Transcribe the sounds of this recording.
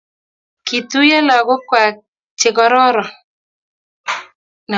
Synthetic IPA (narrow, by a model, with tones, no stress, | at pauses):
ki˨tu˦jɛ˦la˨ɡʊ˦kwa˨ | t͡ʃɪ˨kɔ˦ɾɔ˦ɾɔ˨ | na˨